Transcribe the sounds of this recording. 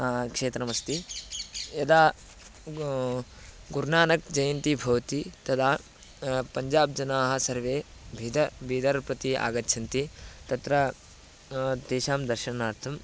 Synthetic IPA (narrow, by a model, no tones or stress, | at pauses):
kʂeːt̪ɾɐmɐst̪i | jɐd̪aː | ɡuɾnaːnɐkd͡ʒɐjɐnt̪ibʱɐʋt̪it̪ɐt̪ʰaː | pɐɲd͡ʒaːb̚d͡ʒɐnaːɦɐ̆sɐɾʋeːbʱid̪ɐbʱiːd̪ɐɾpɾɐt̪ia̰ːɡɐtːʃʰɐnt̪it̪ɐt̪ɾɐ | t̪eːʃaːmd̪ɐɾʃɐnaːɾt̪ʰɐm